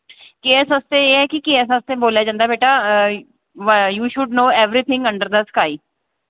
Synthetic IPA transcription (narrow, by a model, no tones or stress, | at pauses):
keɛsəst̪eːeːɦɛːkɪkeɛs̬əst̪eːboːljaːd͡ʒãːnd̪aːbeːʈaː | ʋjuːʃʊɖnoːɛʋɾiːt̪ʰɪ̃ŋɡə̃ɳɖəɾd̪əskaːiː